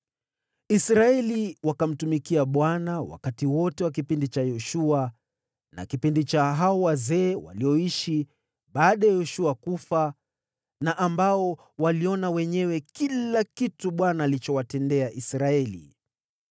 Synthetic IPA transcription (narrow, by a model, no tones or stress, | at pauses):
isɾaɛliwakam̩tumikiaɓwanawa̰katiwɔtɛwak̬ipindit͡ʃajɔʃua | na̰kipindit͡ʃaɦaɔwazɛːwa̰liɔiʃi | ɓaːɗajɛjɔʃuakufa | naʔambaɔ | waliɔnawɛɲɛwɛkilakituɓwanaːlit͡ʃɔwatɛndɛaʔisɾaɛlḭ